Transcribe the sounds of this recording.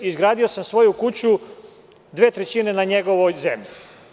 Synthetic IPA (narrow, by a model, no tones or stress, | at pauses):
izɡɾaːd̪io̞samsʋo̞jukut͡ɕu | d̪ʋeːt̪ɾet͡ɕine̞naɲe̞ɡo̞ʋojzemʎi